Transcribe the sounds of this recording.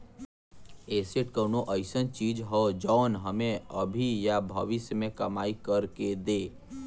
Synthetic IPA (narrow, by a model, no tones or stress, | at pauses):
eːseʈkənoʔəɪsənt͡ʃiːd͡ʒɦəd͡ʒɔːnɦəmẽəbʱijabʱəʋɪsmẽkəmaːikəɾked̪eː